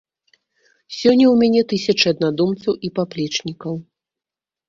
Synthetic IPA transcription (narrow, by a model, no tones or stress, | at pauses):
sʲɔnʲːɐwmʲanʲɛt̪ɨsʲɐt͡ʂɨɐd̪nad̪umt̪sɐwipaplʲɛt͡ʂnʲikɐw